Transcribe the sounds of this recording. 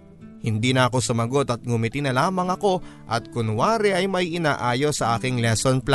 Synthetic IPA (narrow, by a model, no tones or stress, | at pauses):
hɪnd̪iːnɐɐko̞sʊmɐɡo̞t̪ɐt̪̚ɡʊmɪt̪ɪnɐlaːmɐŋɐko̞ʔɐ̰t̪̚kʊnwaːɾɛʔɐjmɐiʔɪnaːʔaːjo̞sɐʔaːkɪŋlɛsonpla